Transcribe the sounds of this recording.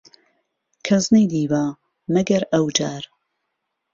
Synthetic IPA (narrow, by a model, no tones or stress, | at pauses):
kʰɐznejd̪iːwaː | mɐɡɐɾɐwd͡ʒaːɾ